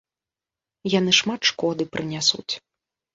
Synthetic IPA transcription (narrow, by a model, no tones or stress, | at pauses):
janɨʂmat̪ʂkɔd̪ɨpɾʔɨnʲasṵt͡sʲ